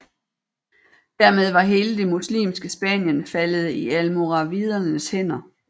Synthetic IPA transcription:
d̥æɐmeð̞ˠʋɑ̈ɦe̝ːləd̥e̝muslḭːmsɡ̥əsb̥ɛ̰ːnjənfæləð̞̩ˠiælmoʁɑ̈ʋið̞ˠɐnəshen̰ɐ

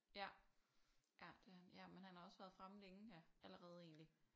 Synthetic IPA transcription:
jæ | jæd̥eænjæmenhænhɑ̈ɒ̽sʋæːɐðˠfʁamle̝ŋ̩jæʔæləʁɛːð̞̩ˠe̝̰ːnli

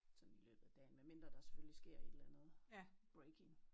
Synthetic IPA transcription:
sɒ̽nn̩ilø̰ːb̥ð̩ˠæd̥ɛ̰ːnmenme̝nd̥ʁɐd̥ɑ̈se̥føllisɡ̥e̝ɐ̰e̝d̥lænð̞̩ˠb̥ʁeɪkʰe̝ŋ

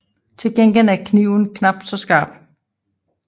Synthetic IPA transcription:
t͡sʰe̝lɡ̥en̰ɡ̥elæɐkʰniʊ̰nkʰnɑ̈b̥̚d̥sɒ̽sɡ̥ɑ̈ːb̥

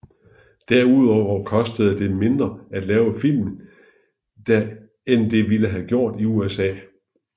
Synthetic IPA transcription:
d̥æɐ̰uð̰ˠɒʊ̰ɐkʰɒ̽sd̥əð̞̩ˠd̥e̝me̝nd̥ʁɐæd̥lɛːʊfil̰mn̩ | d̥æ | end̥e̝ʋiləɦæɡ̥jo̝ɐ̰d̥iuesɛ̰ː

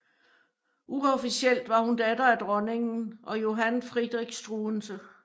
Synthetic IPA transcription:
ʔuɔfisiel̰d̥ʋɑ̈hund̥æd̥ɐæd̥ʁɒ̽ne̝ŋn̩ʔɒ̽jo̝ɦænfʁid̥ʁiɡ̥sd̥ʁunsə

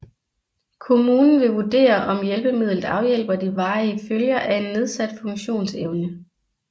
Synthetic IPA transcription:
kʰo̝muːnn̩ʋe̝ʋud̥e̝̰ːɐʔɒ̽mjelb̥əmið̞̰ˠləð̩ˠɑ̈ʊjel̰b̥ɐd̥iʋɑ̈ːiəføljɐʔæe̝nːe̝ð̞ˠsæd̥fɔ̽ŋɕo̝̰ːnseʊnə

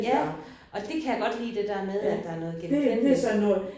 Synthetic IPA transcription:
jæ | ʔɒ̽d̥e̝kʰæjäɡ̥ɒ̽d̥hḭːd̥e̝d̥æɐmeð̞ˠæd̥ɑ̈æɐnɔ̽ːð̩ˠɡ̥emd̥ed̥esɒnːɔː

